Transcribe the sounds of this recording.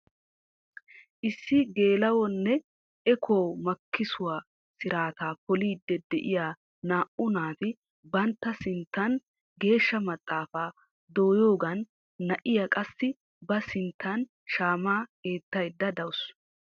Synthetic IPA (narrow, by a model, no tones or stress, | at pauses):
ʔɪsːɪɡe̞ːlɐwɔnːɛ | ʔɛkʰowmɐkʰːɪsʊwaː | sɪɾaːt̪aːpɔliːd̪ːɛd̪ɛʔɪjaː | naːʔʊnaːfɪ | bɐnt̪ːɐsɪnt̪ːɐn | ɡe̞ːʃːɐmɐt̪ʼːaːfaː | d̪o̞ːjoːɡɐnː | ɐʔɪjakʼɐsːɪ | bɐsɪnt̪ːɐn | ʃaːmaːke̞ːt̪ːɐjd̪ːɐd̪ɐwʊs